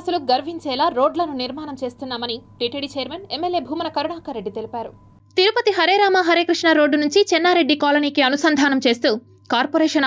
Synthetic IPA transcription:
ɐsɐluɡɐɾʋiɲt͡ʃɛːlaːɾo̞ːɖlɐnuniɾmaːnɐmt͡ʃe̞ːst̪unːaːmɐniʈiʈeɽit͡ʃejɐɾmenemːeljeːbʱuːmɐnɐkɐɾuɳaːkɐɾeɖːit̪e̞lipaːɾu | t̪iɾupɐt̪iɦɐɾeɾaːmɐɦɐɾekɾiʂɳɐɾoːɖːunuɲt͡ʃit͡ʃɛnːaːɾe̞ɖːikaːlɐniːkiɐnusɐnd̪ʱaːnɐmt͡ʃe̞ːst̪uː | kaːɾpoːɾɛːʂɐn

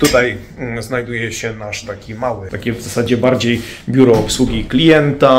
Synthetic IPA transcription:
t̪ut̪aj | znajd̪ujɛɕɛnaʂt̪akʲimawɘt̪akʲɛvzasad͡ʑɛbaɾd͡ʑejbʲjuɾɔɔpswuɡʲiklʲijɛnt̪a

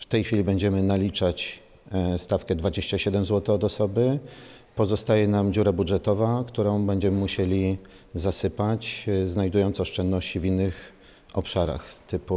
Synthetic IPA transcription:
ft̪ɛjxfʲilʲibɛɲd͡ʑɛmɘnalʲit͡ʂat͡ɕ | st̪afkɛd̪vad͡ʑeɕt͡ɕaɕɛd̪ɛmzwɔt̪ɛɔd̪ɔsɔbɘ | pɔzɔst̪ajɛnamd͡ʑuɾabudʐɛt̪ɔvakt̪uɾɔ̃w̃bɛɲd͡ʑɛmɘmuɕelʲi | zasɘpat͡ɕznajd̪ujɔnt̪sɔɔʂt͡ʂɛnd̪nɔɕt͡ɕivʲinːɘx | ɔpʂaɾa̰xt̪ɘpu

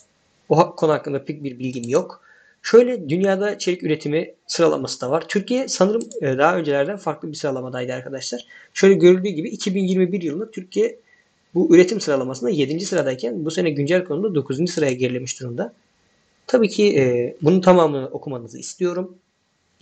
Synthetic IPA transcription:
oɦakʰːouhakːɯnd̪apʰec̚biɾbilʲɟimjo̞k | ʃø̞jlʲɛd̪ynjaːd̪ait͡ʃʰe̞ɾicyɾe̞t̪ʰimisɯɾalˠa̰masɯ̥d̪avaɾ̥t̪ʰyɾcijɛsanɯɾɯmːd̪aɦaø̞nd͡ʒelʲæɾd̪ænfaɾklˠɯbiɾsɯɾalˠamad̪ajd̪ɯaɾkʰad̪aʃlˠaɾ̥ʃø̞jlʲɛɟø̞ɾylʲd̪yːɟibiːcʰibinjiɾmibiɾjɯlˠɯnat̪ʰyɾcʰijɛ | buyɾe̞t̪ʰimsɯɾalˠamasɯnd̪aje̞d̪ind͡ʒisɯɾad̪aicʰænbuse̞nɛɟynd͡ʒælʲkʰonud̪ad̪o̞kʰuzund͡ʒisɯɾajaɟeɾilʲemiʃd̪uɾumd̪a | t̪ʰabiːcʰiʔːbununt̪ʰamaːmɯnɯʔo̞kʰumanɯzɯ̰ḭst̪ijo̞ɾum

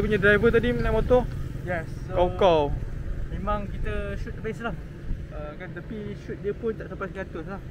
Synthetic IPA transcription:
k̪əpuɲãdɾajvət̪adimənajmot̪ɔjɛsookalmẽmãŋkit̪əʃut̪̚ːabaiʔslah | əkant̪apiʃut̪̚diəpʊnt̪aʔsampasɡat̪ʊslah

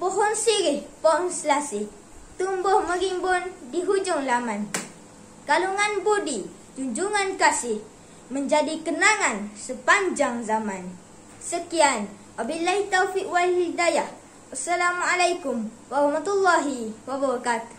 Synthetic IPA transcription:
puɦʊnsiɾɪhpɔnsəlasɪh | t̪umbʊhməɾimbʊndiɦud͡ʒʊŋlamãn | kaluŋanbodi | d͡ʒuɲd͡ʒuŋankasɪh | məɲd͡ʒadikənaŋansəpaɲd͡ʒaŋzamãn | səkian | ʔabilahit̪ːawfiʔwalhidajah | ʔasːalamalajkʊm | waɾɑhmat̪ulːaɦiwabəɾakat̪

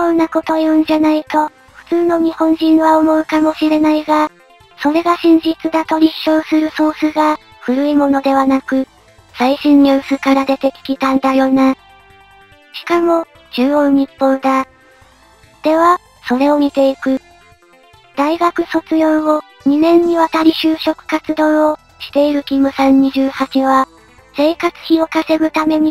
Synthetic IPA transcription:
õnnako̞t̪o̞jõɲ̟d͡ʑanait̪o̞ | ɸɯ̟̥t͡sɨːno̞ɲ̟ihõ̞ɲ̟d͡ʑĩɰ̃βaomo̞ikamo̞ɕiɾe̞naiɡa | so̞ɾe̞ɡaɕĩɲ̟d͡ʑit͡sɨd̪at̪o̞ɾʲiɕo̞ːsɨɾɯ̟so̞ːsɨɡa | ɸɯ̟ɾɯ̟imo̞no̞d̪e̞βanakɯ̟ | saiɕĩɲːʲoːsɨkaɾad̪e̞t̪e̞kʲi̥kʲit̪ãnd̪ajo̞ːna | ɕi̥kamo̞ | d͡ʑɨːõnɲipːõ̞nd̪a | d̪̥e̞βa | so̞ɾe̞omʲit̪e̞ikɯ̟ | d̪̥aiɡakɯ̟so̞t͡sɨjõ̞ɰo̞ | ɲ̟inẽ̞ɲ̟ːiβat̪aɾʲiɕɨːɕo̞kɯ̟̥kat͡sɨd̪õ̞ːɰo | ɕi̥t̪e̞iɾɯ̟kʲimɯ̟sãɲɲiʑɨːhat͡ɕiβa | se̞ːkat͡sɨ̥çio̞kase̞ɡɯ̟t̪ame̞ɲ̟i

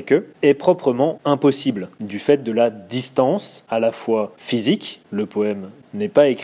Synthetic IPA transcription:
kʲøɛpχɔpχəmɑ̃ɛ̃pɔsibld̪yfɛt̪̚d̪əlad̪ist̪ɑ̃salafwafizikləpoɛm | nɛpaek

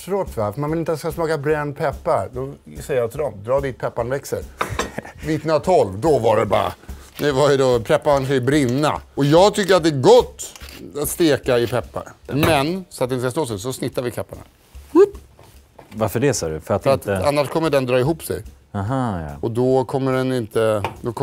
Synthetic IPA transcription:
fɾoːt̪vafmanvɪlɪnt̪at̪ːɪskasmɑːkabɾɛnpʰɛpːaɾd̪ɔsɛjəjat̪ʰɪld̪ɔmd̪ɾɑːd̪iːt̪̚pʰɛpːaɳvɛksəɾ | vɪt̪nat̪ʰɔlvd̪ɔvaɖɛbɑ̰ːɾa̰ | nɛvad̪ɔpʰɛpːaɳfɛbɾɪnːa̰ɔjɑːɡt̪ʰʏkːəɾat̪̚d̪ɛːɾɡɔt̪ːat̪st̪eːkaɪpʰɛpːa̰ɾmɛnsɔat̪ɪəskasloːs̬ɛs̬ɔsnɪt̪ːaɾvɪkʰɛpːaɳa̰ | vaɾfəɖɛsɑːɖɵfœɾat̪fəɾat̪a̰nːaʂkʰɔmːəɖɛnd̪ɾɑːɪɦuːpsɛ̰j | ɦaɔd̪ɔkʰɔmːəɖɛnɪnt̪əd̪ɔkʰɔ

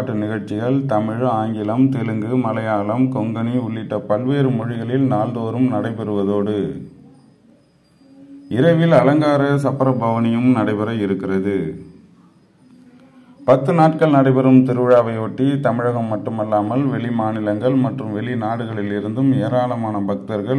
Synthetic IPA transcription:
ʈːɯnɪɣɐɻt͡ʃɪɣɐɭt̪ɐmɪɻaːŋɡɪlɐmt̪ɛlɯŋɡɯmɐlɐjaːlɐmkɔŋɡɐniʊɭːɪʈːɐpɐɭʋeːɾɯmɔɻɪɣɐɭɪlnaːld̪oːɾɯmnɐɽɐɪpɛɾɯʋɐðoːɽɯ | ɪɾɐʋɪlɐlɐŋɡaːɾɐsɐpːɐɾɐbʱɐʋɐnɪjɯmnɐɽɐɪbɐɾɐɪɾɯkːɪrɐðɯ | pɐt̪ːɯnaːʈ̚kɐɭnɐɽɐɪbɐɾɯmt̪ɪɾɯʋɐɻaːʋɐɪoːʈːit̪ɐmɪɻɐɣɐmːɐʈːɯmɐlːaːmɐlʋɛɭimaːnɪlɐŋɡɐɭmɐʈrɯmʋɛɭinaːɽɯɣɐɭɪlɪɾɯnd̪ɯmeːɾaːlɐmaːnɐbɐkt̪ɐɾɣɐɭ

